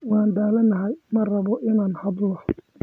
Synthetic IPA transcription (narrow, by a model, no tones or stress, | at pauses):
wɑːnd̪aːlɐnɐɦɛjmɐrɐβɔʔɪnaːnhɐd̪lɔ